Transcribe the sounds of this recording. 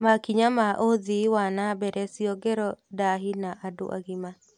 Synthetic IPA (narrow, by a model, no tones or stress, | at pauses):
makiɲamaʔoðiwanabɛɾɛsiɔɡɛɾɔdaɦinaʔado̰ʔa̰ɣima